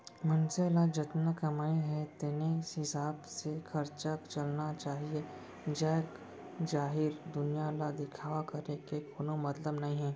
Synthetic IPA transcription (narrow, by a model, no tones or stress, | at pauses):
mɐnselad͡ʒɪt̪nakɐmaːeɦɛ̃t̪enesɦɪsaːbsexʰɐɾt͡ʃakt͡ʃɐlnat͡ʃaːɦie | d͡ʒɛːk | d͡ʒaːɦɪɾd̪ʊnijalad̪ɪkʰaːʋakɐɾekekoːnomɐt̪ləbnɐɦĩɦɛ̃ː